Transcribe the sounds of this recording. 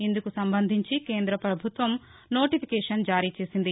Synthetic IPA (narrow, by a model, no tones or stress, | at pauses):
ind̪ukusɐmbɐnd̪ʱiɲt͡ʃikeːnd̪ɾɐpɾɐbʱut̪ʋɐm | no̞ːʈipʰikɛːʂɐnd͡ʒaːɾiːt͡ʃe̞ːsind̪i